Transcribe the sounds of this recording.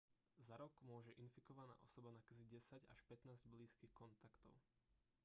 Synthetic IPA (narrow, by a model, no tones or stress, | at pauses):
zaɾɔkmʊɔʒɛʔinfikɔʋana̰ːʔɔsɔbanakaziɟɛsaɟa̰ʃpɛt̪naːzɟbliːskiːxkɔnt̪akt̪ɔʊ